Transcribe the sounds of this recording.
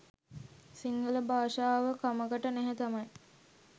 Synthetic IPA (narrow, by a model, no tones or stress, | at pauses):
siŋɡələbaːʂaːʋəkaməɡəʈənæɦet̪amɐj